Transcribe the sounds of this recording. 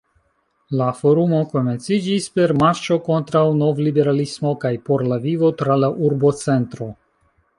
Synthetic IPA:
lafo̞ɾumo̞ko̞me̞nt͡sid͡ʒispe̞ɾmaɾt͡ʃo̞ko̞ntɾawno̞vlibe̞ɾalismo̞kajpo̞ɾlavivo̞tɾalaʔuɾbo̞t͡se̞ntɾo̞

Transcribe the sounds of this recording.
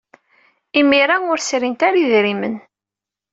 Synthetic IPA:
imiɾaʊɾsɾint̪aɾiðɾimə̰n

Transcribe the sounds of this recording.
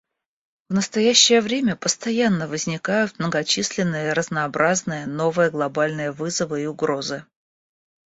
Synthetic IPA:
vnəst̪ɐjæɕːɪjəvɾʲemʲəpəst̪ɐjanːəvəzʲnʲɪkajʊt̪̚mnəɡɐt͡ɕisʲlʲɪnːɨjəɾəznɐːbɾʔaznɨjəno̞vɨjəɡlˠɐbalʲnɨjəvɨzəvɨiʊɡɾo̞zɨ

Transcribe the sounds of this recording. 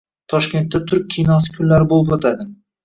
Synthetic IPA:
t̪ʰɒʃkʲe̞nt̪ːat̪ʰʊɾk̚ʲʰijnɒsɪ̥kʲʰʊnlaɾɪbolˠɪpot̪ʰad̪ɪ

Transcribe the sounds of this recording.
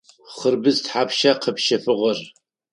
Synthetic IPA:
χərbɨztħaːpʃɐqʰəpʃɐfɨʁɐr

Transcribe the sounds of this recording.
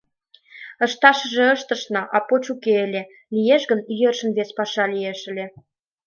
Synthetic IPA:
ə̆ʃt̪ɑʃə̆ʒĕəʃt̪ə̆ʃnɑʔɑpot͡ɕukeelʲe | lijeʃɣəniɣerʃə̆nβespɑʃɑlijeʃə̆lʲe

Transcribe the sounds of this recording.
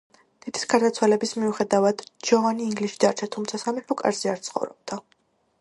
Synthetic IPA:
d̪̥id̪̥i̥sɡaɾd̪at̪sʰwalɛbismiuχɛd̪avad̪d͡ʒɔvaniːŋɡliʃid̪aɾt͡ʃʰat̪ʰumt̪sʰasamiħɔkʼa̰ɾziaɾt̪sʰχɔ̰vɾɔ̰b̚d̪a

